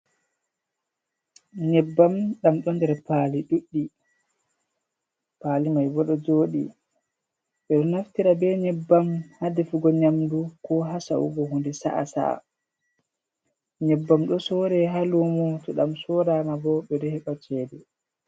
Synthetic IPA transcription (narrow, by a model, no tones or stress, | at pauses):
ɲɛbːamɗamɗɔndɛɾpaːliɗuɗːi | paːlimajbɔɗɔd͡ʒoːɗḭ | ɓɛɗɔnaftiɾabɛɲɛbːamhadefiɡɔɲamdukɔɦasa̰ʔṵɡɔhundɛsa̰ʔa̰sa̰ | ɲɛbːamɗɔsɔɾɛɦalumɔtɔɗamsɔːɾamabɔɓɛɾɛhɛɓat͡ʃɛːdɛ